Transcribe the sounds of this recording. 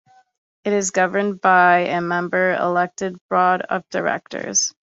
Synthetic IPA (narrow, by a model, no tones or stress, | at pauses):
ɨɾɨzɡʌvə˞nbaɪʔɨmɛ̃mbə˞ɪ̰lɛk̚tɨd̚b̥ɹɔɾʌ̰p̚d̥ə˞ɛ̰k̚tə̰˞z̥